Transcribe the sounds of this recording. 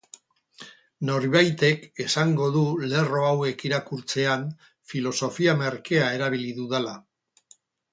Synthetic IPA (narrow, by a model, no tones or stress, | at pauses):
no̞ɾβajt̪e̞ke̞saŋɡo̞ðule̞ro̞awe̞kiɾakuɾt͡se̞an | filo̞so̞fiame̞ɾke̞ae̞ɾaβ̞iliðuðala